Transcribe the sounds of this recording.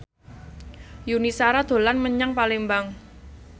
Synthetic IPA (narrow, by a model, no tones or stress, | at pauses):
junisaɾad̪̥o̤lanməɲaŋpalembaŋ